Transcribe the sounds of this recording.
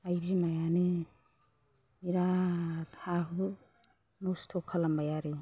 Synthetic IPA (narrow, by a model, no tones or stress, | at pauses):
ajbzimajani | iɾatʰabɯ | nɔstʰɔkʰːalambajaɾi